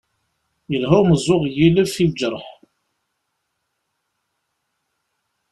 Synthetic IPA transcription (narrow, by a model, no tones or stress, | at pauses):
jəlɦʊməzˤʊʁjiləvθid͡ʒəɾˤəħ